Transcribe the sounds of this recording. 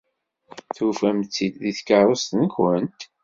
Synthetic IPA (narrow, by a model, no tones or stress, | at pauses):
θufæmt͡sːid̪ðiθkəɾˤost̪nəçwənt̪